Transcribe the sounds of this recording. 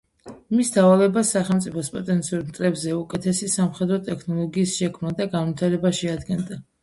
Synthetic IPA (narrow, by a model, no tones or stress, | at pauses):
imisd̪avalɛbasːaχɛlmt̪sʼipʰɔspʼɔt̪ʼɛnt̪sʰiuɾmt̪ʼɾɛbzɛukʼɛt̪ʰɛsisamχɛd̪ɾɔt̪ʼɛkʰnɔlˠɔɡiːsʃɛkʰmnad̪aɡanvit̪ʰaɾɛbaʃiad̪ɡɛnd̪a